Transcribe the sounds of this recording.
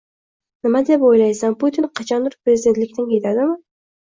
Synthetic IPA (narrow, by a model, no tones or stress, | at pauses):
nɪmad̪epojlajsanput̪ʰinqʰɑt͡ʃʰɒnd̪ɪɾpɾezid̪ent̪lɪkʲt̪ɪnkʲʰet̪ʰad̪ɪmɪ